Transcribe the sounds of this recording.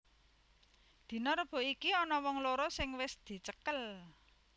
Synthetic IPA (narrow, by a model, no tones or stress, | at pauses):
d̪̥i̤nɔɾəb̥o̤ikiɔnɔwɔŋloɾosɪŋwɪsd̪̥i̤t͡ʃəkəl